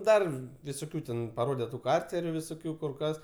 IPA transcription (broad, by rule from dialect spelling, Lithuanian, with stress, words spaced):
ˈdɐr ʋʲɪsoːˈkʲuː tʲɛn pɐˈroːdʲɛ tʊ ˈkɐrʲt͡sʲɛrʲʊ ʋʲɪsoːˈkʲuː kʊr ˈkɐs